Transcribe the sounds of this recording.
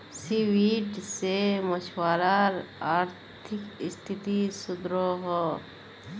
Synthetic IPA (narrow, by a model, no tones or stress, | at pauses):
siwiːʈsemɐt͡ʃʰwaːɾaɾaːɾt̪ʰɪkɪst̪ʰit̪isʊd̪ɾoɦɔ